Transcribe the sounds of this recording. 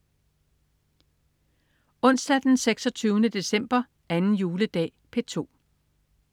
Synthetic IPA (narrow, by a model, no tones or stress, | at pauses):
ɔ̽n̰sd̥æd̥enseɡ̥sɒ̽t͡sʰyːʊnəd̥e̝sem̰b̥ɐ | ænn̩juːləd̥ɛ̰ːpʰe̝t͡sʰo̝̰ː